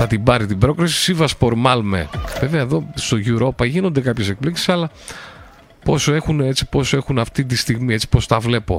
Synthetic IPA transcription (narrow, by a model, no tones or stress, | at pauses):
θɐt̪ibɐɾit̪ibɾo̞kɾisi̥sivɐspo̞ɾmɐlmḛve̞ve̞ɐeðo̞st̪o̞ʝuɾo̞pɐʝino̞nd̪e̞kɐpçe̞se̞k̚pliksi̥sɐlɐ | po̞soe̞xune̞t͡si̥po̞soe̞xunɐft̪it̪ist̪iɣmie̞t͡si̥po̞st̪ɐvle̞po̞̰